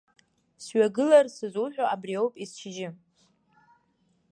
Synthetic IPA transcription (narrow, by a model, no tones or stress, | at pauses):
sɥaɡɨlarsɨzuħᶣoʔabriowpʼist͡ʃʰɪʒɪ